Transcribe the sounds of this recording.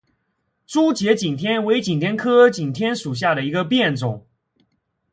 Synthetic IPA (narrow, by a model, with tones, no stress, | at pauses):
ʈ͡ʂu˥t͡ɕjɛ˧˥t͡ɕi˨˩nt̪ʰjɛ˥nwe˧˥ɪt͡ɕi˨˩nt̪ʰjɛ˥nkʰɤ˥t͡ɕi˨˩nt̪ʰjɛ˥nʂu˨˩ɕ̬ja˥˩d̪ə˩i˧˥ɡə˧pjɛ˥˩nt͡sʊ˨˩˦ŋ